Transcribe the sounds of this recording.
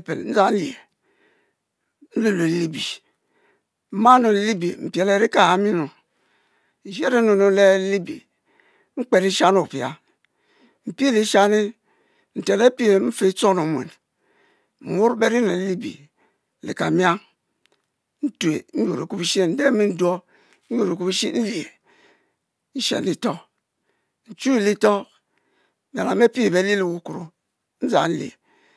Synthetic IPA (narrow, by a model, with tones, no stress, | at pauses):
pe˨n̩˦za˦n˦li˨e˨ | n̩˦lu˦lo˨˦li˦bi˨ | m̩˦ma˦no˨lli˦bi˨m̩˨pe˨le˨ɾi˦ka˨ha˨mi˦no˨ | i˨ʒe˦ɾe˦nu˨no˨le˦li˦bḭ˨ | ŋ͡m̩˦k͡pe˨ɾi˦ʃa˦no˨pi˨a̰˨ | m̩˨pe˦li˨˦ʃa˦ni˦ | n̩˨te˨ne˦pi˦e˨m̩˦fe˦t͡so˦no˨mʷ˨ḛ˨n | m̩˨mu˦ɾbe˦ɾi˦ne˨˦li˦bḭ˨ | lḭ˨ka˨mi˦a˦ŋ | n̩˦tu˨e˨n̩˦ju˨ɾe˨ku˦pi˦ʃi˦e˨n̩˨de˦mi˦n̩˦du˦o˦ | n̩˦ju˨ɾe˨ku˦bi˦ʃḭ˦n̩˦li˨e˨ | n̩˦ʃḛ˨ni˨to˦ | n̩˨t͡ʃu˦i˦˨li˦to˦˨ | ba˨la˨me˦pi˦e˨be˨˦li˦li˦ku˦ku˨ɾu˨ | n̩˦za̰˨n̩˦lḭ˨e˨